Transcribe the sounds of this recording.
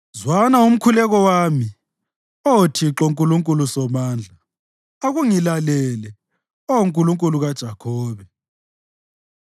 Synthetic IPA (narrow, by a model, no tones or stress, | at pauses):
zwanaum̩kʰulɛɣɔwami | otʰiǁoŋkʼuluŋkʼulusɔmaːnd͡ɮʱa | oɣuŋilalɛlɛ | ɔwuŋkʼuluŋkʼuluɣad̥ʒ̥ʱakʰɔːβɛ